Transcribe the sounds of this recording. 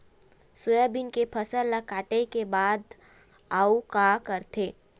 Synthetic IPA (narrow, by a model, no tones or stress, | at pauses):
sʊjəbɪnkepʰəsəlːakaːʈekebaːd̪ | aːukakəɾt̪ʰeː